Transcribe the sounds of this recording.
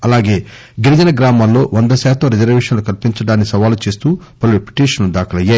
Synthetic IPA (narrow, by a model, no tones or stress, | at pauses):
ɐlaːɡe̞ː | ɡinɐd͡ʒɐnɐɡɾaːmaːllo̞ːʋɐnd̪ɐsɛːt̪ɐmɾid͡ʒɐɾʋeːʂɐnlukɐlpiɲt͡ʃɐɽaːnːisɐʋaːlut͡ʃe̞ːst̪uːpɐlipi̥ʈiːʂɐnlud̪aːkɐlɐjːaː